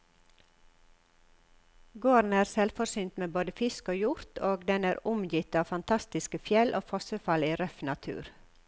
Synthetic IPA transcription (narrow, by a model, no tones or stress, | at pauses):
ɡoːɾn̩æːɾsɛlfɔsyːnt̪meːboːd̪əfɪskoːjʊɾt̪ʰoːɡd̪ɛnæːɾʊmjɪt̪ɑːʋfɑnt̪ʰɑst̪ɪskəfjɛlʔo̰ːfɔsəfɑliːɾœfnɑt̪ʰʉ̰ːɾ